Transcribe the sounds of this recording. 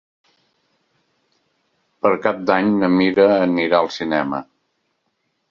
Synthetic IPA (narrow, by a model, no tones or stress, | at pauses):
pəɾkap̚d̪aɲnəmiɾəːniɾaəlˠsinɛmə̰